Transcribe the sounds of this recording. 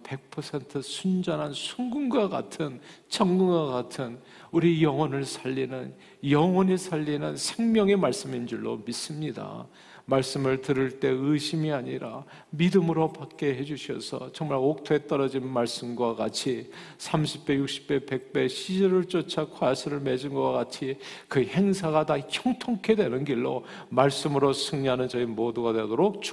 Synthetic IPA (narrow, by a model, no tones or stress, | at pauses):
pe̞k̚pʰʌsʰe̞ntʰɯsʰund͡ʑʌnɦansʰuŋɡuŋɡwaɡa̰tʰɯn | t͡ɕʰʌŋɡɯŋɡaɡatʰɯn | uɾijʌŋwʌnɯɭsʰaʎːinɯn | jʌŋwʌnisʰaʎːinɯnsʰe̞ŋmjʌŋemaɭs͈ɯmind͡ʑɯɭːo̰mis͈ɯmɲida̰ | maɭs͈ɯmɯɭtɯɾɯɭt͈e̞ɯɕʰimiaɲiɾa̰ | midɯmɯɾopak̚k͈e̞ɦe̞d͡ʑuɕʰiʌ̰sʰʌ̰t͡ɕʌŋmaɭok̚tʰoe̞t͈ʌɾʌd͡ʑinmaɭs͈ɯmɡwaɡat͡ɕʰi | sʰamɕʰi̥p̚p͈e̞juk̚ɕ͈ʰi̥p͈̚e̞pe̞k̚p͈e̞ɕʰid͡ʑʌɾɯɭt͡ɕ͈ot͡ɕʰakʰwasʰɯɾɯɭme̞d͡ʑinɡʌwakat͡ɕʰikɯhe̞ŋsʰaɡataçjʌŋtʰoŋkʰe̞dwe̞nɯnɡiɭːo̰ | maɭs͈ɯmɯɾosʰɯŋɲiɦanɯnt͡ɕʌimoduɡadwe̞doɾok̚t͡ɕ